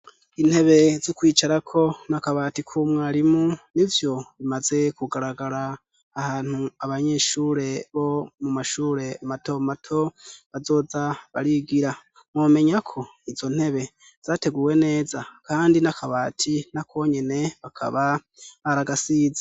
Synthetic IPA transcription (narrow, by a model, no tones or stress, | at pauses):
in̥he̞βe̞zikwiːt͡ʃaɾakʰo̞nakaβaːtikʰumŋaːɾimunivjo̞βimaze̞kuɡaɾaɡaɾaː | haːn̥huaβaɲe̞ʃuːɾe̞βo̞mumaʃuːɾe̞mato̞matʰo̞βazo̞ːzaβa̰ɾiɡiɾa | mwoːme̞ɲakʰo̞iz̥o̞n̥he̞βe̞ | z̥aːte̞ɡuːwe̞ne̞ːzakaːndinakʰaβaːtʰinakʰo̞ɲe̞ne̞βakʰa̰βa | βaɾaɡasiːzḁ